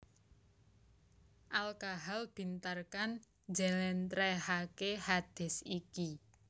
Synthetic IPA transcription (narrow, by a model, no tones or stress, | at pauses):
ʔalkaɦalb̥i̤nt̪arkan | d͡ʒalɛnt̪ɾɛhakehad̪̥ɛ̤siki